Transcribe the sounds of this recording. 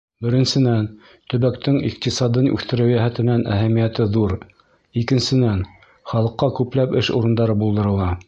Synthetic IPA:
bɘ̆ɾɘ̆nsɘ̆næn | t̪ɵ̆βækt̪ɘŋḭq̚t̪isɑd̪ɤnʉ̰θt̪ɘ̆ɾɘwjæɦæt̪ɘ̆nænʔæ̰ɦæmijæt̪ɘðuɾ | ikɘ̆nsɘ̆næn | χɑlˠɤ̆qːɑkʉplæpɘʃṵɾɤ̆nd̪ɑɾɤbulˠd̪ɤ̆ɾɤ̆lˠɑ

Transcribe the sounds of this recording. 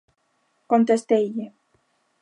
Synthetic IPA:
kont̪est̪ejʎe

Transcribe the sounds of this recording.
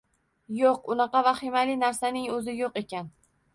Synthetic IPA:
joq̚ʊnɑqɑvaχɪmalɪnaɾsanɪŋɵzɪjoqe̞kʲʰan

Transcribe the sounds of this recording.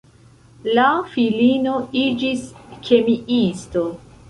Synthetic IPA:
lafilino̞id͡ʒiskʰe̞miisto̞

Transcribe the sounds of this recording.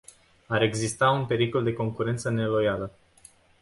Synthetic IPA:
aɾe̞ɡzist̪aunpe̞ɾiko̞ld̪e̞ko̞ŋkuɾe̞nt̪səne̞lo̞jalə

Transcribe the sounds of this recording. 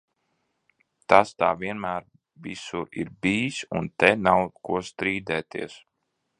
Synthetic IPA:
t̪ast̪aːvʲiɛnmæːɾ | visuɾḭɾbiːsṵnt̪ɛnawkuɔst̪ɾiːd̪ɛːt̪ḭɛs

